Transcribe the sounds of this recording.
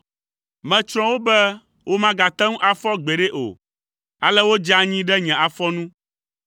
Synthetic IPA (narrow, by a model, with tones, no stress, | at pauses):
mɛ̃˨t͡ʃɾ̃ɔ̃˦wo˦bɛ˦ | wʔo˦mã˦ɡa˨t̪ɛ˦ŋũ˦ʔa˨fɔ˦ɡ͡bɛ˨ɖɛ˦ʔo̰˨ | a˨lɛ˦wo˦d͡ʒa˦ɲĩ˦ɖɛ˦ɲɛ̃˨a˨fɔ˦nũ˦